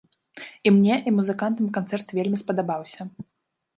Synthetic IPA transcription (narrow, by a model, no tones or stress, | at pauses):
imnʲɛʔimuzɨkant̪ɨmkant̪sɛrt̪vʲelʲmʲispɐd̪abawsʲɐ